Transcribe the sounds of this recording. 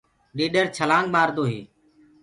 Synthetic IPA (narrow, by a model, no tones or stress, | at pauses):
ɗeːɗəɾt͡ʃʰəlãːŋɡmaːɾd̪oːɦḛː